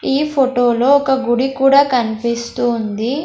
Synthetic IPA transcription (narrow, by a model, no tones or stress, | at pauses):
iːpʰoʈoːlo̞ːɔkɐɡuɽikuːɽaːkɐnipist̪uːnd̪i